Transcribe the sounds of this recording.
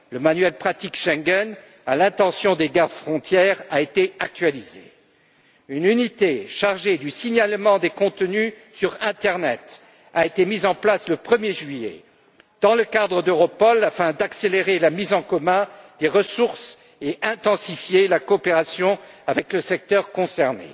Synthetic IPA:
ləmanɥɛlpχat̪ikʃɛ̃ŋɡɛn | alɛ̃t̪ɑ̃sjɔ̃d̪eɡaʁd̪fχɔ̃t̪jɛʁaet̪eak̚t̪ɥalizḛ | ynynit̪eʃaʁʒed̪ysiɲalmɑ̃d̪ekɔ̃t̪ny | syʁɛ̃t̪ɛʁnɛt̪ | aet̪emizɑ̃plasləpχəmjeʒɥijɛḛ | d̪̥ɑ̃ləkad̪ʁəd̪øʁɔpɔlafɛ̃d̪akseleʁelamizɑ̃kɔmɛ̃d̪̥eʁəsuʁs | eʔɛ̃t̪ɑ̃sifjelakoːpeʁasjɔ̃avɛkləsɛk̚t̪œʁkɔ̃sɛʁnḛ

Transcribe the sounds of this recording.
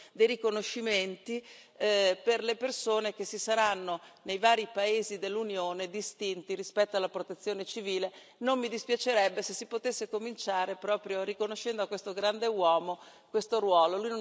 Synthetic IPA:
d̪ejrikonoʃːiment̪i | perlepersoːnek̟esːisaɾanːonejvaːɾipaeːzid̪elːunjoːned̪ist̪int̪iɾispɛt̪ːoalːapɾot̪et̪sːjoːnet͡ʃiviːle | nomːid̪ispjat͡ʃeɾɛbːesesipot̪esːekomint͡ʃaːɾepɾɔːpɾjoɾikonoʃːɛnd̪oakwest̪oɡɾand̪ewɔːmo | kwest̪orwɔːlolujno

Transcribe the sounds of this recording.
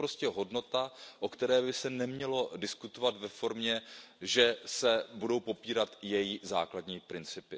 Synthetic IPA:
pɾoscɛɦo̞dno̞t̪aʔokt̪ɛɾɛːbɪsɛnɛmɲɛlo̞dɪskut̪ovat̪vɛfo̞ɾmɲɛ | ʒɛsɛbudo̞wpo̞piːɾat̪jɛjiza̰ːkladɲiːpɾɪnt͡sɪpɪ

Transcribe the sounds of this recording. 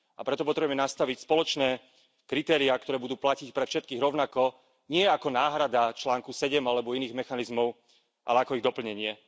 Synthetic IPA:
apɾɛt̪ɔpɔt̪ɾɛbɛmɛnast̪aʋicspɔlɔt͡ʃnɛː | kɾit̪ɛːɾiak̚t̪ɔɾɛːbud̪uːplacicpɾɛfʃɛt̪̚kiːɣɾɔʊnakɔ | ɲɪɛakɔnaːɦɾad̪at͡ʃlaːŋkusɛɟɛmalɛbɔiniːɣmɛxanizmɔʊ | ʔa̰lɛakɔiɣd̪ɔpl̩ɲɛɲɪɛ

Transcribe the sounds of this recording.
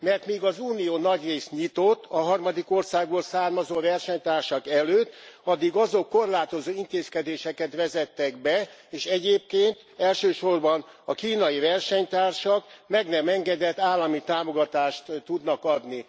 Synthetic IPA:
mɛrt̪miːɡɒzuːnijoːnɒɟreːst̪ɲit̪o̞t̪ːɒɦɒrmɒd̪iko̞rsaːɡo̞rsaːrmɒzoːvɛrʃɛɲt̪aːrʃɒkɛløːt̪ːɒd̪ːiɡɒzokːo̞rlaːt̪o̞zoːint̪eːskɛd̪eːʃɛkɛt̪ʋɛzɛt̪ːɛɡbɛeːʃɛɟeːp̚keːnt̪ | ɛlʃøːʃo̞rbɒnɒkiːnɒivɛrʃɛɲt̪aːrʃɒkmɛɡnɛmɛŋɡɛd̪ɛt̪ːaːlːɒmit̪aːmo̞ɡɒt̪aːʃt̪t̪ːud̪nɒkɒd̪ni

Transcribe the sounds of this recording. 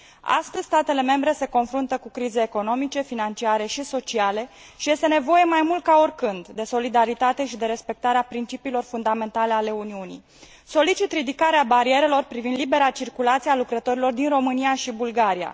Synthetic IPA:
a̰st̪əzʲst̪at̪e̞le̞me̞mbɾe̞se̞ko̞nfɾunt̪əkukɾizeːko̞no̞mit͡ʃe̞finant͡ʃiaɾe̞ʃiso̞t͡ʃiale̞ | ʃije̞st̪e̞ne̞vo̞je̞majmult̪̚kao̞rʲkɨnd̪d̪e̞so̞lid̪aɾit̪at̪e̞ʃid̪e̞ɾe̞spe̞k̚t̪aɾeapɾint͡ʃipiːlo̞rfund̪ame̞nt̪ale̞ale̞uniunḭj | so̞lit͡ʃit̪rid̪ikaɾeabaɾie̞ɾe̞lo̞rpɾivind̪libe̞ɾat͡ʃirkulat̪siealukɾət̪o̞ɾilo̞rd̪inro̞mɨnijaʃibulɡaɾia̰

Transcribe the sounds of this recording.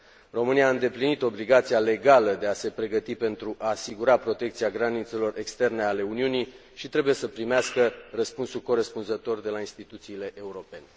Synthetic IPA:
ro̞mɨniaɨnd̪e̞plinit̪o̞bliɡat̪siale̞ɡaləd̪e̞ase̞pɾe̞ɡət̪ipe̞nt̪ɾuʔaːsiɡuɾapɾo̞t̪e̞k̚t̪siaɡɾanit̪se̞lo̞rʔekst̪e̞rne̞ale̞uniuni | ʃit̪ɾe̞buje̞səpɾimeaskərəspunsulko̞ɾespunzət̪o̞rd̪e̞lainst̪it̪ut̪siːle̞ʔeuɾo̞pe̞ne

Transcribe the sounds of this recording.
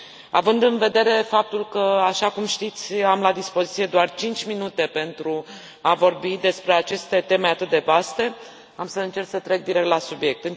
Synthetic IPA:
a̰vɨnd̪ɨnve̞d̪e̞ɾe̞fap̚t̪ulkəaʃakumʃt̪it̪sʲamlad̪ispo̞zit̪sije̞d̪oart͡ʃint͡ʃʲminut̪e̞pe̞nt̪ɾu | avo̞rbid̪e̞spɾeat͡ʃe̞st̪e̞t̪e̞me̞at̪ɨt̪̚d̪e̞vast̪e̞ | amsəɨnt͡ʃe̞rksət̪ɾe̞k̚d̪iɾek̚t̪lasubje̞k̚t̪ɨn

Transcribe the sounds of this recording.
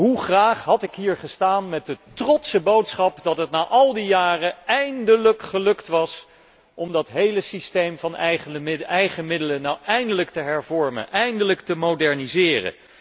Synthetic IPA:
ɦuχraːχɦɑtɪkɦiːɹχəstaːnmɛt̚dətrɔtsəbowtsχɑpdɑtɦətnaːʔɑlˠdijaːrəɛjndələkχəlɵktʋɑs | ʔɔmdɑtɦejləsistejmvɑnχɛjχəmɪdələnawɛjndələktəɦɛɹvɔɹmə̰nʔɛjndələktəmodɛɹnizɪːrə̰

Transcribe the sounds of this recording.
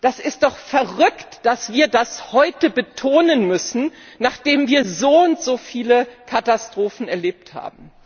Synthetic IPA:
d̥asɪst̚d̥ɔχfɛɐʁʏktd̥asv̥iːɐdashɔʏtəbətʰoːnənmʏsn̩naːχd̥eːmviːɐzoːʊntz̥oːfiːləkʰatastʁ̥oːfn̩ɛɐleːp̚tha̰ːbm̩

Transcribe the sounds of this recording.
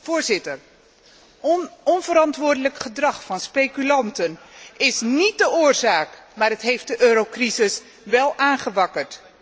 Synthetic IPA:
v̥ʊːɹzɪtər | ɔnvəɾɑntʋʊːɹdələkχədrɑχfɑnspejkylɑntənɪsnit̚dəʊːɹzaːkmaːɹətɦejft̚dəʔøːɾowkrizɪs | ʋɛlˠʔaːnχəʋɑkəɹt

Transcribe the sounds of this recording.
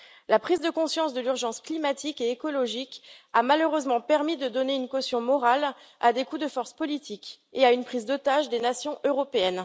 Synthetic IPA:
lapχizd̪əkɔ̃sjɑ̃sd̪əlyʁʒɑ̃sklimat̪ikeːkɔlɔʒikamaløʁøzmɑ̃pɛʁmid̪əd̪ɔneynkɔsjɔ̃mɔʁala̰d̪ekud̪əfɔʁspɔlit̪ʰik | eaynpχizd̪ot̪aʒd̪enasjɔ̃ʔøʁɔpeɛn

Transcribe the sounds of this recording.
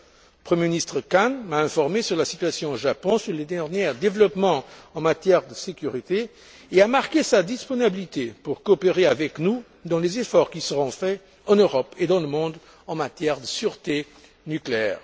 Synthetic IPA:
əpχəmjeminist̪χəkanmaɛ̃fɔʁmesyʁlasit̪ɥasjɔ̃oʒapɔ̃syʁled̪ɛʁnjɛʁd̪evlɔpmɑ̃ɑ̃mat̪jɛʁd̪əsekyʁit̪e | eamaʁkesad̪ispɔnibilit̪epuʁkoːpeʁeavɛknu | d̪ɑ̃lezefɔʁkisəʁɔ̃fɛ | ɑ̃nøʁɔped̪ɑ̃ləmɔ̃d̪ | ɑ̃mat̪jɛʁd̪əsyʁt̪e | nykleɛːʁ

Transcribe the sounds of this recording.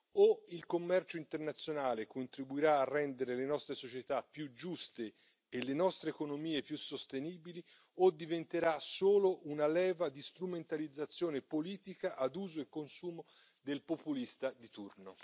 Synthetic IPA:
oilkomːɛrt͡ʃoint̪ernat̪sːjonaːlekont̪ɾibuiɾaːrːɛnd̪eɾelenɔst̪ɾesot͡ʃet̪apːjud͡ʒust̪e | elːenɔst̪ɾeːkonomiːepjusːost̪eniːbili | od̪ivent̪eɾasoːloʔunalɛːvad̪ist̪ɾument̪alid̪zːat̪sːjoːnepoliːt̪ikaʔad̪uːzoekːonsuːmo | d̪elpopulist̪ad̪it̪urno

